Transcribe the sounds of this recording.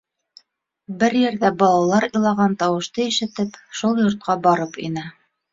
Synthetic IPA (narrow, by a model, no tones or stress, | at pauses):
bɘɾjɘ̆ɾðæbɑlˠɑwlˠɑɾɤ̆lˠɑʁɑnt̪ɑwɤ̆ʃt̪ɤiʃɘ̆t̪ɘpʃulˠjŏɾt̪̚qɑbɑɾɤpḭnɘ